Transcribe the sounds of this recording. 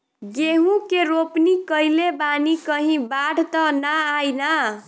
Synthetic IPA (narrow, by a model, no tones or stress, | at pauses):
ɡeɦũkeɾopnikəjlebanikʌɦĩbaɽ̤ʱt̪ʌnaajna